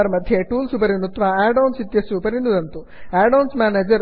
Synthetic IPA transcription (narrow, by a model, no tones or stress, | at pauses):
ɐɾmɐd̪ʱjeʈuːlsupɐɾinut̪ʋaaːɖɐwnsit̪jɐsuːpɐɾind̪ud̪ɐnt̪u | aːɖɐwnsmʲaːneːd͡ʒɐɾ